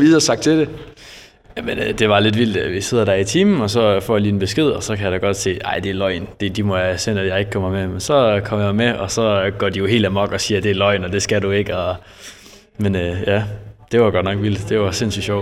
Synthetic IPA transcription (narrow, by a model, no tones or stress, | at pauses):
ʋiɐsɑ̈ɡ̥̚t͡sʰed̥e | jæmenød̥e̝ʋɑ̈le̝d̥ʋil̰d̥ʋise̝ð̞̰ˠɐd̥æɐit͡sʰiːm̩ɒ̽sɒ̽fɒ̰ːjɑliːenb̥e̝sɡ̥e̝ð̞̰ˠɒsɒ̽kʰæjɑɾæɡ̥ɒ̽d̥se̝̰ːʔɑ̰̈ɪ̰d̥e̝ælɒ̽ɪnd̥e̝d̥imɒjasen̰æd̥jɑ̈ɪe̝ɡ̥̚kʰɒmɑmemensɒ̽kʰɒ̽mjɑmeɒ̽sɒ̽ɡ̥ɒ̰ːd̥ijo̝ɦe̝̰ːld̥æmɒ̽ɡ̥ɒ̽siːɐd̥e̝ælɒɪnɒ̽d̥e̝sɡ̥ædue̝ɡ̥əɒ̽ | menøjæd̥e̝ʋɑɡ̥ɒd̥nɒ̽ɡ̥ʋil̰d̥d̥e̝ʋɑ̈se̝n̰sy̰dɕɒʊ